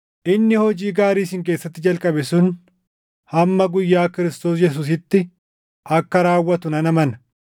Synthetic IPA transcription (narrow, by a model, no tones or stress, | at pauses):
ʔɪnːɪhɔd͡ʒiːɡaːɾiːsɪŋk̬eːsːɐt̪ːɪd͡ʒɐlkʼɐbɛsʊn | hɐmːɐɡʊjːaːkɪɾɪst̪o̞ːs̬jɛs̬uːs̬ɪt̪ːɪ | ɐkːɐɾaːwːɐt̪ʊnɐnɐmɐnɐ